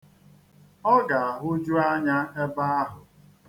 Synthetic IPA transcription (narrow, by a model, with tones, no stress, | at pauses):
ɔ˦ɡa˨a˨ɦʊ˦d͡ʒu˦a˦ɲa˦e˦ba˦a˦ɦʊ˨